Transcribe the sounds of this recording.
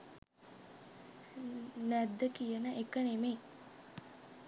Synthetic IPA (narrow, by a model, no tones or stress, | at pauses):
næd̪ːəkijənəʔekənemeː